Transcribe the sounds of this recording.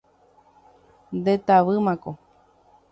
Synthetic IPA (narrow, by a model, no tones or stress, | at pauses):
nd̪et̪aʋɨmãko